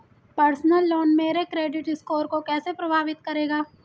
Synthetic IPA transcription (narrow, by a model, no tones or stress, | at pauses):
pɐɾsnəlːoːnmeːɾekɾeːɖɪʈɪskoːɾkokɛːsepɾɐbʱaːʋɪt̪kɐɾeːɡaː